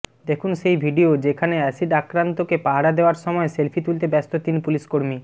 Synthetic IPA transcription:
d̪ekʰunʃejbʱiɖiod͡ʑekʰaneɛsiɖakɾant̪okepaɦaɽad̪eoaɾʃɔmɔeselfʰit̪ult̪ebɛst̪ot̪inpuliʃkoɾmi

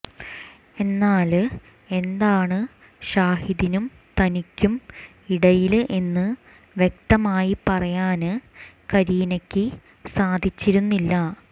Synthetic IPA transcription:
e̞nːaːl | e̞nd̪aːɳɨ | ɕaːhiðinum | t̪ɐnikʲːum | iɽɐjilʔe̞nːɨ | ʋjek̚t̪ɐmaːjipɐrɐjaːnɨkɐɾiːnɐkʲːɨ | saːd̪ʱit͡ɕːiɾunːilːɐ

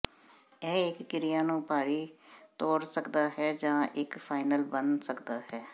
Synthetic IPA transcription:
ɛːɪkːɪɾɪjaːnũːpaːɽiːt̪oːɽsəkd̪aːɦɛːd͡ʒãːʔɪkpʰaːɪnəlbənsəkd̪aːhɛː

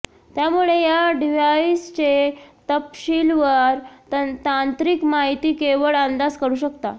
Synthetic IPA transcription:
t̪jamuɭejaɖiʋaist͡ɕet̪əpɕilʋəɾt̪ant̪ɾiːkmaɦit̪iːkeʋəɭand̪ad͡zkəɾuːɕəkt̪a̰

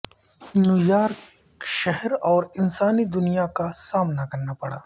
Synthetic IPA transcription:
nʊjaːɾ | ʃɛɦɛɾɔːɾɪnsaːnid̪ʊnijakasaːmnakɐɾnapɐɽa̰ː

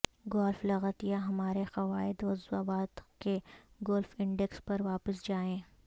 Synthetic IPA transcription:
ɡɔːlflɐɣət̪ijaɦɐmaːɾexɐʋaːɪd̪oːzwaːbaːd̪ke | ɡɔːlfɪ̃ɳɖɛkspɐɾʋaːpəsd͡ʒaːẽː

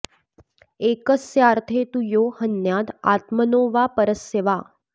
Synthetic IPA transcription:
ekəsjaɾt̪ʰet̪ujoːhənjat̪a̰t̪mənoːʋapəɾəseʋa

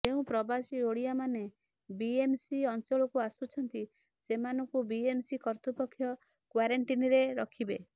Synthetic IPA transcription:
d͡ʒeũpɾɔbasioɽiamane | biemsiɔnt͡ʃɔɭɔkuasut͡ʃʰɔnt̪i | semanɔŋkubiemsikɔɾt̪upɔkʰːjɔ | kwaɾaɳʈiniɾeɾɔkʰibe

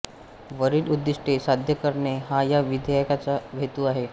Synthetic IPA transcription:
ʋəɾiːlud̪ːiʂʈʰesad̪ʱjəkəɾɳeɦajaʋid̪ʱjajkat͡saʋʱet̪uaɦe

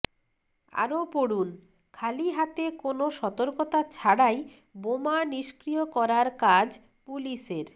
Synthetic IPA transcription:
a̰ɾopoɽun | kʰaliɦat̪ekonoʃɔt̪oɾkot̪at͡ɕʰaɽaj | bomaniʃkɾijokɔɾaɾkad͡ʑ | puliʃeɾ

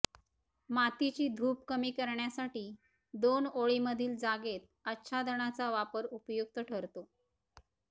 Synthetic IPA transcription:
mat̪it͡ɕiːd̪ʱuːpkəmiːkəɾɳjasaʈiː | d̪onoɭiməd̪ʱiːld͡zaɡet̪̚ | ət̪ːɕʰad̪əɳat͡saʋapəɾupjuk̚t̪əʈʰəɾt̪o

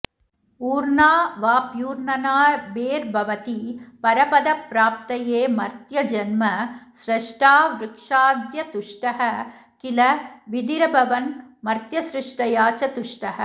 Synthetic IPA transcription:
uːɾnaːʋaːpjuːɾnɐnaːɾbeːɾbʱɐʋɐt̪ipɐɾɐpɐd̪ɐpɾaːp̚t̪ɐjeːmɐɾt̪jɐd͡ʒɐnmɐsɾɐʂʈaːʋɾɪkʂaːd̪jɐt̪uʂʈɐɦɐ | kilɐʋid̪iɾɐbʱɐʋɐnmɐɾt̪jɐsɾɪʂʈɐjaːt͡ʃɐt̪uʂʈɐɦɐ̆

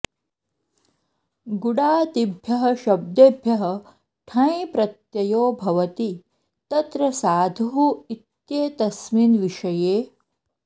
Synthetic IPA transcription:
ɡuɽaːt̪ibʱjɐɦɐ̆ʃɐb̚d̪eːbʱjɐɦɐ̆ | ʈʰɐ̃jpɾɐt̪jɐjoːbʱɐʋɐt̪i | t̪ɐt̪ɾɐsaːd̪ʱuɦuit̪jeːt̪ɐsminʋiʂɐjeː

